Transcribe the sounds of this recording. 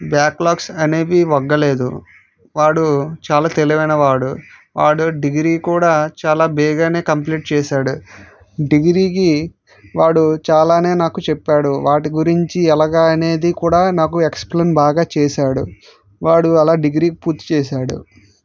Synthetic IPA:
bjaːklaːksɐne̞ːʋiʋɔɡːɐle̞ːd̪u | ʋaːɽut͡ʃaːlaːt̪eliʋɐjnɐʋaːɽuʋaːɽuɖiɡɾiːkuːɽaːt͡ʃaːlaːbɛːɡaːne̞ːkɐmp̬liːʈ̚t͡ʃɛːʃaːɽu | ɖiɡɾiːki | ʋaːɽut͡ʃaːlaːne̞ːnaːkut͡ʃɛpːaːɽuʋaːʈiɡuɾiɲt͡ʃiɛlaːɡaːɐne̞ːd̪ikuːɽaːnaːkuekspleːmbaːɡaːt͡ʃɛːʃaːɽṵ | ʋaːɽuɛlaːɖiɡɾiːkipuɾt̪ːi̥t͡ʃɛːʃaːɽṵ

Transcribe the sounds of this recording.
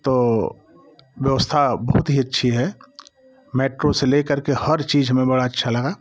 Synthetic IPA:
t̪oː | wjəʋəst̪ʰabəɐɦʊt̪ɦiɐtːʃʰiɦɛ | meːʈɾoselekəɾkehɐɾt͡ʃiːd͡ʒɦəmẽbɐɽaɐtːʃʰalɐɡaː

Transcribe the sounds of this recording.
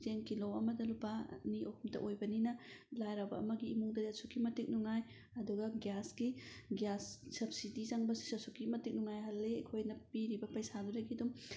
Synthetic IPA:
zenkilowɐmɐdɐlupaniʔohumtɐ̰ʔojbɐninɐlajɾawbɐ̰ɐ̰mɐɡiːmuŋdɐdiɐsukːimɐtik̚nuŋaj | ɐduɡɐɡjasɡiɡijasːɐb̚sidizaŋbɐsi̥sɐsukimɐtik̚nuŋajɦɐlːekʰojnɐpiɾibɐpɐjsaduɾɐkidum

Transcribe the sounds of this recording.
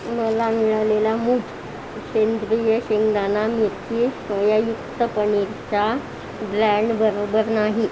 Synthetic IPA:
məlamiɭalelamuːɡ | ɕend̪ɾujəɕiŋɡd̪anamiɾtisʋəjajuk̚t̪əpəɳiɾt͡ɕa | bɾɛɳɖbəɾobəɾnaɦi

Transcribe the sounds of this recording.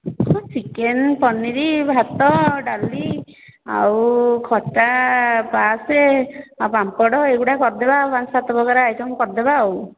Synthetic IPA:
ɔsikenpɔnːiɾibʱat̪ɔɖali | a̰wkʰɔʈapaseapamkɔɽɔeɡuʈakɔɾd̪ebapansat̪ɔbɔɡaɾaajtʰɔŋkɔɾd̪ebaw

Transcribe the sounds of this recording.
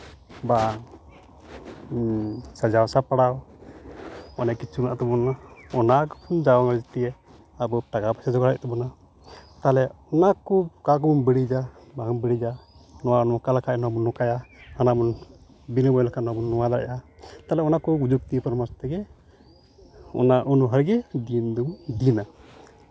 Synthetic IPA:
ba | sad͡ʒawsapaɽaw | ɔnɛkit͡ʃʰuna̰ʔt̪ɛbɔnaɔnakpʰund͡ʒawaŋɾɛd͡ʒt̪iɛ | abɔʈaɡapasad͡ʒɔɡaɽɛc̚t̪ɛbɔna | t̪alɛɔnakukakɔbunbiɽid͡ʒabaŋbəɽid͡ʒanɔwanɔakalakʰanɔwabunːɔkajahanabɔn | binəbɔjlakʰanɔabunːɔwad̪aɾa̰ʔat̪alɛɔnakɔɡud͡ʒuk̚t̪ipɔɾmast̪ɛɡɛ | ɔ̰naʔunuɦəɾɡɛd̪ind̪ɔmd̪ina

